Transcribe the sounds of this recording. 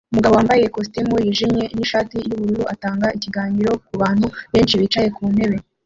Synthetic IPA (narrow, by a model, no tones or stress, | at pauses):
umuɡaβowaːmbaje̞kos̬timujiʒimɲe̞niʃaːtijuβuɾuɾuataːŋɡaʔiciɡaːɲiɾo̞k̚uβaːn̥huβe̞ːnt͡ʃiβit͡ʃaje̞kuːnhe̞βe̞